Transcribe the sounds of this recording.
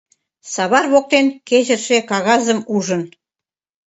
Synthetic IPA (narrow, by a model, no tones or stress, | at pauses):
sɑβɑrβok̚t̪enkeʑə̆rʃekɑɣɑzə̆muʒə̆n